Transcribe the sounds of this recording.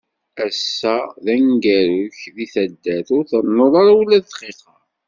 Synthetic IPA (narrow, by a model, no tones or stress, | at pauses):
æsːæðæŋɡæɾʊçðiθæd̪ːæθʊɾθənːoðˤɑɾawlːæðθqiqɑɾ